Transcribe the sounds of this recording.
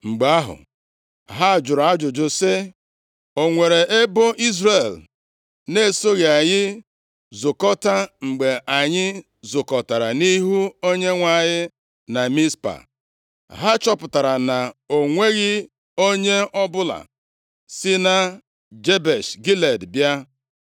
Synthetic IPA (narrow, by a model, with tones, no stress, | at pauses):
ŋ͡m̩˨ɡ͡ba˦ɦʊ̰˨ | ɦa˦˨d͡ʒʊ˨ɾa˦d͡ʒʊ˨d͡ʒʊ˨sɪ˦ | o˨ŋʷe˨ɾe˨ʔe˦bʊ˦ʔi˦zre˨l | ne˦˨so˦ɣe˨a˨ɲɪ˦ | zʊ˨kɔ˦ta˦ŋ͡m̩˨ɡ͡be˨ʔa˨ɲɪ˦ | zʊ˨kɔ˨ta˨ɾa˨ni˦ɦu˦o˦ɲe˦ŋʷa˨ɲɪ˦ | na˨mi˦spa̰˨ | ɦa˦t͡ʃɔ˦pʊ˨ta˨ɾa˨na˨o˨ŋʷe˦ɣɪ˦ | o˦ɲe˦ɔ˦bʊ˦la̰˨ | sɪ˦na˦ | d͡ʒe˦be˨ʃɡi˦le˨dbja˦